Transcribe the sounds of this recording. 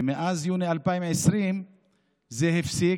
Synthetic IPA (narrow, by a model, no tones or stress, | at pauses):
miʔazjuːnialpajmʕɪsɾiːn | zeɦɪfsi